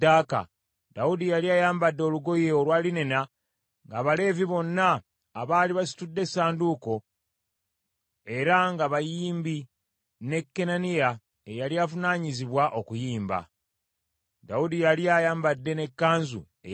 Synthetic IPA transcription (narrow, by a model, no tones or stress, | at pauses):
aːka̰ | dawudijaliajaːmbadːeo̞luɡo̞jeolwaːline̞na | ŋɡaːβale̞ːviβo̞nːaː | βaːliβasi̥tudːe̞saːnduko̞ | e̞ɾaŋɡaβajiːmbi | ne̞kːe̞nanija | ejaliavunaːɲiziβwaʔo̞kujiːmba̰ | dawudijalijajaːmbadːe̞ne̞kːaːnzṵ | e